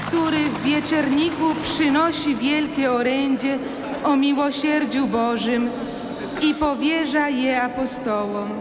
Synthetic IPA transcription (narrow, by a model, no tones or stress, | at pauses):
kt̪uɾɘvːʲjɛt͡ʂɛɾɲikupʂɘnɔɕivʲjɛlkʲɛɔɾɛɲd͡ʑɛ | ɔmʲiwɔɕɛɾd͡ʑubɔʐɘm | ipɔvʲjɛʐajɛapɔst̪ɔwɔm